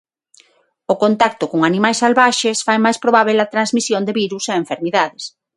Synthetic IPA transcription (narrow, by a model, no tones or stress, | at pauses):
ʊkont̪ak̚t̪ʊkoŋanimajsːalβaʃesfajmajspɾoβaβ̞elɐt̪ɾanzmisjond̪eβiɾuseeɱfeɾmiðaðɪs